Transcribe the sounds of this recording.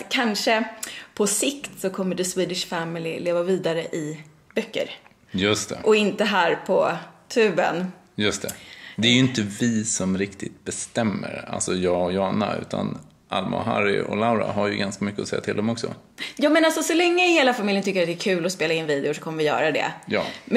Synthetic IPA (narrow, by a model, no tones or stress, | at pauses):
kʰanʂəpʰɔsɪkt̪sɔkʰɔmːəɖɛswiːd̪ɪʂfɛmɪlɪleːvaviːd̪aɾəʔɪ | bœkːə̰ɾ | jɵst̪ʰɛ̰ʔɔɪnt̪əɦæːɾpʰɔt̪ʰʉ̟ːbə̰n | jɵst̪ʰɛd̪ɛæɾjɵɪnt̪əvɪsɔmɾɪkt̪ɪt̪̚bɛst̪ɛmːəɾa̰lsɔjɑːɔjɑːnaʉ̟ːt̪ʰa̰n | ʔalmʔa̰ɦa̰ɾɪ̰ʔɔ̰laʊɾaɦaɾjɵɡanskamʏkːəɔsɛjːat̪ʰɪld̪ɛmɔksɔ̰ | jɑːmɛnalsɔsɔlɛŋːəɪheːlafamiljənt̪ʏkːəɾat̪d̪ɛæɾkʰʉ̟ːlɔspeːlaɪnviːd̪ɪʊʂɔ̥kʰɔmːəvɪjœ̰ːɾad̪ɛ̰jɑːm